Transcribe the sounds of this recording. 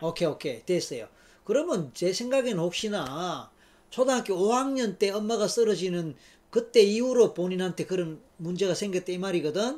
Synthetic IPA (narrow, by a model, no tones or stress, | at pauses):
okʰeokʰetes͈ʌjo | kɯɾʌmjʌnt͡ɕe̞sʰe̞ŋɡaɡenɯnhok̚ɕ͈ina | t͡ɕʰodaŋɦak͈iohaŋɲʌnt͈e̞ʌmːaɡas͈ʌɾʌd͡ʑinɯn | kɯt͈e̞iuɾopoɲinɦantʰe̞kɯɾʌn | mund͡ʑe̞ɣasʰeŋɡjʌt͈eimaɾiɡʌdɯn